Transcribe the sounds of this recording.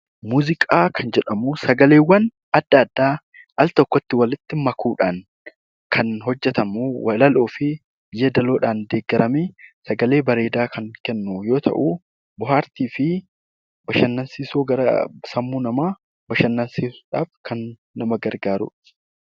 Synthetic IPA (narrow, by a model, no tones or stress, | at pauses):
muːzɪkʼaːkʰɐnd͡ʒɛᶑɐmusɐɡɐle̞ːwːɐn | ɐd̪̥ːɐːd̪ːaː | ɐlt̪ɔkːɔt̪ːɪwɐlɪt̪ːɪmɐkuːᶑaːŋ | kʰɐnɦɔd͡ʒːɛt̪ɐmuːwɐlɐloːfɪ | bɪjːed̪ɐlo̞ːᶑaːnd̪eːɡːɐɾɐmesɐɡɐle̞ːbɐɾe̞ːd̪aːkʰɐŋkɛnːuːjo̞ːt̪ʰɐ̰ʔuː | bʊɦaːɾt̪iːfɪ | bɐʃɐnːɐnsiːsoːɡɐɾɐ̰sɐmːuːnɐmaː | bɐʃɐnːɐnsiːsu̥ᶑaːfkʰɐnː | ɐmɐɡɐɾɡaːɾʊ̰ᶑ